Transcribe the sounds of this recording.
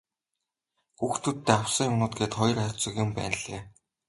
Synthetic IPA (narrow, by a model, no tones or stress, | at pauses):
xuːxt̪ut̪ːeːaw̥siːŋʊnʊːt̪̚ɡeːt̪χɔj̆rat͡sɞ̆kjʊmpæ̰ːnɮḛː